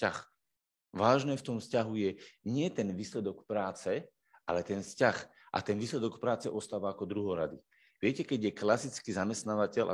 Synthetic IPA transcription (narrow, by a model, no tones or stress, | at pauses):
ax | ʋaːʒnɛːft̪ɔmfscaɦujɛɲɪɛt̪ɛnʋiːslɛd̪ɔkpɾaːt͡sɛ | ʔa̰lɛt̪ɛnfscax | ʔa̰t̪ɛnʋiːslɛd̪ɔkpɾaːt͡sɛʔɔst̪aːʋaːkɔd̪ɾuɦɔɾa̰d̪i | ʋɪɛcɛkɛɟjɛklasit͡skiːzamɛst̪naːʋacɛʎʔa̰